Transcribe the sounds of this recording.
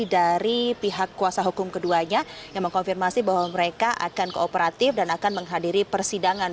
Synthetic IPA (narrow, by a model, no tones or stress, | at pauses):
idaɾipiɦakːuasaɦukʊmkəduaɲajaŋməŋkɔnfirmasibaɦwaməɾekaʔa̰kankəopəɾat̪ɪfdanakanməŋɦadiɾipərsidaŋan